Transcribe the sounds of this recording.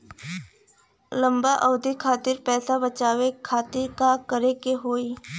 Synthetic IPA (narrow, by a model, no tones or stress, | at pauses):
lə̃mbaʔɔːd̪ikʰaːt̪ɪɾpɛːsabət͡ʃaːʋekʰaːt̪ɪɾkakəɾekeɦoːiː